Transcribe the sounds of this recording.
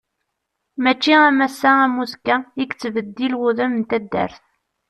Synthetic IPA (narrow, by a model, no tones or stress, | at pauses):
mæt͡ʃːiæmæsːææmuskæikt͡sːvəd̪ːilwuðæmənt̪æd̪ːə̰ɾθ